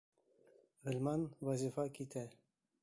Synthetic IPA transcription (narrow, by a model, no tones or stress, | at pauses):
ʁɘ̆lʲmɑnwɑzʲifɑkit̪æ